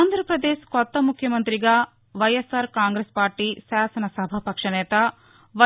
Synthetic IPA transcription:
aːnd̪ʱɾɐpɾɐd̪eːʃkɔt̪ːɐmukʰjɐmɐnt̪ɾiɡɐ | ʋɐjesɐɾkaːŋɡɾeːspaːɾʈiʃaːsɐnɐsɐbʱɐpɐkʂɐnɛːt̪ɐ | ʋɐ

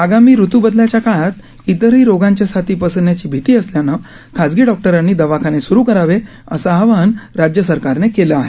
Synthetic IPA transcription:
aɡamiːɾut̪ubəd̪ljat͡ɕjakajat̪ | it̪əɾɦiːɾoɡãɲt͡ɕjasat̪iːpəsənjat͡ɕiːbʱit̪iːəsljana | kʰad͡zɡiːɖɔk̚ʈəɾanːiːd̪əʋakʰanesuɾuːkəɾaʋe | ə̰saɦaʋanɾad͡ʑjəsəɾkaɾnekelaaɦe

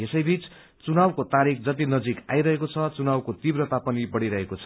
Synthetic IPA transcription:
esʌjbit͡s | t͡sunawkot̪aɾik̚ʰd͡zʌt̪̬inʌd͡zika̰jɾʌɦekot͡sʰʌt͡sunawkot̪ibrʌt̪apʌnibʌɽiɾʌɦekot͡sʰʌ̥

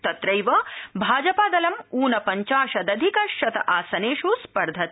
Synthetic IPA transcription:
t̪ɐt̪ɾɐjʋɐbʱaːd͡ʒɐpaːd̪ɐlɐmuːnɐpɐɲt͡ʃaːʃɐd̪ɐd̪ʱikɐʃɐt̪ɐ̰ʔaːsɐneːʂuspɐɾd̪ʱɐt̪

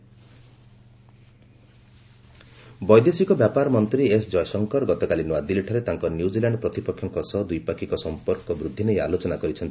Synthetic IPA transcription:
bɔjd̪esikɔbjapaɾmɔnt̪ɾiesd͡ʒɔjsɔŋkɔɾɡɔt̪ɔkalinuad̪ileʈʰaɾet̪aŋkɔnjud͡ʒilaɳɖɔpɾɔt̪ipɔkʰːjɔŋkɔsɔd̪ujpakʰikɔsɔmpɔɾkɔbɾud̪ʱːineja̰lot͡ʃɔnakɔɾit͡ʃʰɔnt̪i

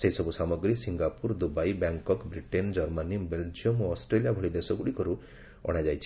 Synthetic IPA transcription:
seisɔbusamɔɡɾisiŋɡapuɾd̪ubajbaŋkɔkbɾiʈend͡ʒɔɾmanibeld͡ʒiɔmoɔsʈɾeliabʱɔɭid̪esɔɡuɽikɔɾu | ɔ̰ɽ̃ad͡ʒajt͡ʃʰ

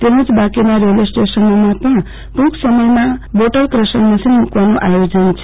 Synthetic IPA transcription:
t̪emũt͡sbakemaɾelesʈesʌnomapʌɽ | pũksʌmʌjmaboʈʌrkrʌsʌnmʌsinmukwanoʔajod͡zʌnt͡sʰ

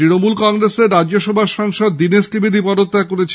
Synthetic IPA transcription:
ɾinomulkɔŋɾeseɾɾadd͡ʑoʃɔbʱaʃɔŋʃod̪̚ːiniskɾibʱid̪ʱipɔd̪ot̪ːakoɾet͡ɕʰ

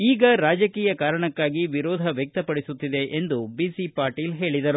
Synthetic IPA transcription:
iːɡɐɾaːd͡ʒɐkiːjɐkaːɾɐɳɐkːaːɡiʋiɾɔːd̪ʱɐʋjɛk̚t̪ɐpɐɽisut̪ːid̪e̞ʔend̪ubiːsipaːɾʈiːlɦe̞ːɭid̪ɐɾu

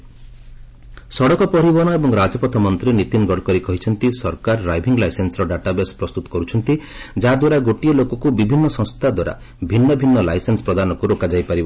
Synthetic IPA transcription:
sɔɽɔkɔpɔɾibɔñɔebɔŋɾad͡ʒɔpɔt̪ʰɔmɔnt̪ɾinit̪inɡɔɽkɔɾikɔɦit͡ʃʰɔnt̪isɔɾkaɾːajbʱiŋɡlajsensɔɾɔɖaʈabespɾɔst̪ut̪ɔ̥kɔɾut͡ʃʰɔnt̪id͡ʒad̪waɾaɡoʈiɔlokɔkubibʱinːɔsɔ̃st̪ʰad̪waɾa̰ | bʱinːɔbʱinːɔlajsensɔ̥pɾɔd̪anɔkuɾokad͡ʒajpaɾibɔ

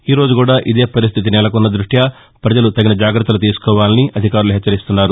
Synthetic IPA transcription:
iːɾo̞ːd͡ʒukuːɽaːʔid̪e̞ːpɐɾis̬t̪ʰit̪̬inɛlɐkunːɐd̪ɾuʂʈjaː | pɾɐd͡ʒɐlut̪ɐɡinɐd͡ʒaːɡɾɐt̪ːɐlut̪iːsu̥kɔːʋaːliniʔɐd̪ʱikaːɾuluɦɛt͡ʃːɐɾist̪unːaːɾu

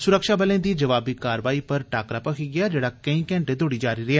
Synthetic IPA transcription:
sʊɾəkʃaːbəlẽːd̪iːd͡ʒəʋaːbiːkaːɾʋaːiːpəɾʈaːkɾaːpəkʰiɡɪaːd͡ʒeːɽaːkəĩːkɛ̃ːɳʈẽːd̪oːɽiːd͡ʒaːɾiɾɪaː

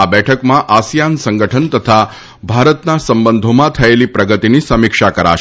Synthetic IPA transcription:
abɛʈʰəkmãʔasjansəŋɡəʈʰənt̪ət̪ʰa | bʱaɾət̪nasəmbənd̪ʱomãt̪ʰəjeliːpɾəɡət̪iniːsəmikʂakəɾa̰ʃ

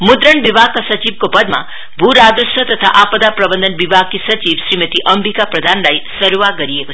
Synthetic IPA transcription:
mʊd̪ɾəɳʋibaɡ̚kasət͡ʃiʋkopəd̪mã̰ | bʱuɾad̪ɾəʃət̪ət̪ʰa̰ʔapəd̪apɾəbənd̪ənʋibʱaɡ̚tisət͡ʃiʋsɾimət̪iʔəmbʱikapɾəd̪ʱanɾajsəɾuʋaɡəɾieko

